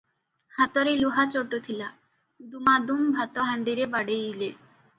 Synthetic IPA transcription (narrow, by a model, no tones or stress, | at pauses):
hat̪oɾeluɦat͡ɕoʈːot̪ʰila | d̪umad̪umbʱat̪oɦaɳɖiɾebaɽeile